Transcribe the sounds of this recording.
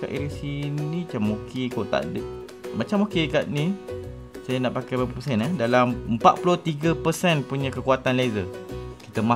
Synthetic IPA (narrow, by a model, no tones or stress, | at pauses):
ka̰ʔḭɾisinĩt͡ʃamokʰekot̪a̰ʔdə | mat͡ʃamokekaʔnĩ | sajanaʔpakajpapapəsɛnɛdalaməmpaʔ̪̚puloht̪iɡəpəsɛnpuɲãkəkuat̪anlezəki̥t̪əma